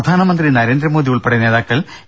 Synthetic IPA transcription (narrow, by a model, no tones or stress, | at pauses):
d̪ʱaːnɐmɐnd̪rinɐɾe̞ːnd̪rɐmoːðijuɭpeɽɐne̞ːðaːkːɐɭ